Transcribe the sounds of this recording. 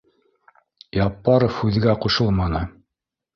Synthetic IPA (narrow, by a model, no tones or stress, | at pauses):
jɑpːɑɾofhʉð̆ɡæquʃɤlˠmɑnɤ